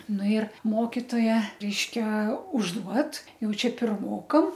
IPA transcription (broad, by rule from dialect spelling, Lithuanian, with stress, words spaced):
ˈnʊ ɪr ˈmoːkʲɪtoːjɛ ˈrʲɛɪʃʲkʲɛ ʊʒˈduɔt ˈjɛʊ ˈt͡ʃʲɛ pʲɪrˈmoːkɐm